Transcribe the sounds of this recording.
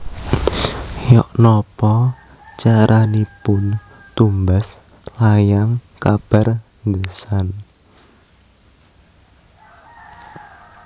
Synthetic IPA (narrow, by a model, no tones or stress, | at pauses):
jɔʔnɔpɔ | t͡ʃaɾanipʊn | t̪umbas | lajaŋkab̥a̤r | ŋdəsan